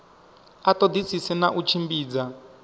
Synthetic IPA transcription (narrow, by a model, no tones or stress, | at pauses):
atɔd̪isisɛnaʔut͡ʃʰimbiːd͡za